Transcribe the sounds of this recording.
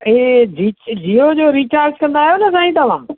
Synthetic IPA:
eːd͡ʑiːd͡ʑiːod͡ʑoːɾiːt͡ɕaːɾd͡ʑkɐ̃nd̪aːɦjonɐs̬ãːĩt̪ɐʋ̤ã̰ː

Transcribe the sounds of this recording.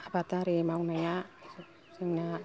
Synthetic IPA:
abat̪aɾimauŋnajaisu | siŋna

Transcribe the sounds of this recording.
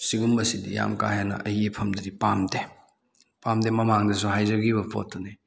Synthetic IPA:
siɡumbɐsidḭja̰mkajanɐ̰ʔɐhipʰɐmdɐdipamde | pamdemɐmaŋdɐs̬uhajd͡ʒɐɡibɐpʰo̰tʰːuni

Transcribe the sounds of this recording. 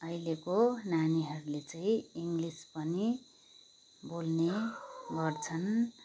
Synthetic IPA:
ʌilekonaniɦʌɾulet͡saĩiŋɡlispʌni | bolneɡʌrt͡sʰʌn

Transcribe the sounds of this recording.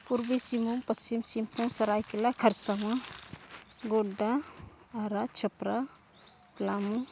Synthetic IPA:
puɾbisimuŋpɐsimsimpʰuŋsɐɾajkelakʰɐɾsaŋa | ɡodaː | ɾat͡ʃʰɐpɾa | plamu

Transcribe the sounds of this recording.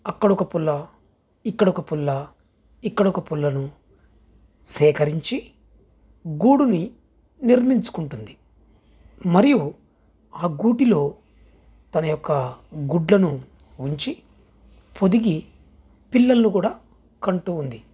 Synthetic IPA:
ɐkːɐɽɔkɐpulːɐ | ikːɐɽɔkɐpulːɐ | ikːɐɽɔkɐpulːɐnu | sɛːkɐɾiɲt͡ʃi | ɡuːɽuni | niɾmiɲt͡ʃu̥kuɳʈund̪i | mɐɾiju | aːɡuːʈilo̞ː | t̪ɐnɐjɔkːɐɡuɖlɐnu | uɲt͡ʃi | pʰo̞d̪iɡi | pilːɐlɐnukuːɽaː | kɐɳʈuːnd̪i

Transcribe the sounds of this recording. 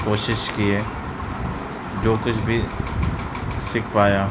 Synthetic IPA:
koːʃɪʃkieː | d͡ʒoːkʊt͡ʃʰbʱi | sɪkʰpaːjã

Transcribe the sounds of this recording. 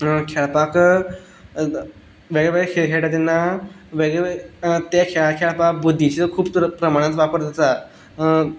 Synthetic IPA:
kʰɛɭpak | ʋeɡɭɛʋeɭekʰeɦeʈat̪inːa | ʋeɡɭɛt̪ekʰɛkʰɛɭpakbud̪ʱːit͡ɕeəkʰuːptɾpɾəmaɽ̃ãt͡sʋapəɾd̪at̪a

